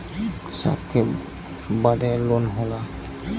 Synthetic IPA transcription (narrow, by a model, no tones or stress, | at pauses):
sa̰pkʰe | bad̪alonɦɔla